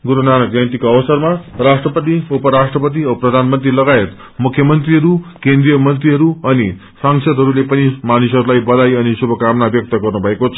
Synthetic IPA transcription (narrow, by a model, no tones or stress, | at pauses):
ɡuɾonanʌɡajt̪ikoʌbʌsʌrmarasʈrʌpʌt̪̬iupʌɾasʈrʌpʌt̪̬iʌprʌd̪ʱanmʌnt̪rilʌɡaet̪ | mukʰjʌmʌnt̪riɦʌɾukend̪rijʌmʌnt̪riɦʌɾuʌni | saŋsʌd̪ʱɦʌɾulepʌnimanisʌɾulajbʌd̪ajʌnisubʱʌkamnabjʌk̚t̪ʌɡʌrnubʱʌekot͡sʰʌ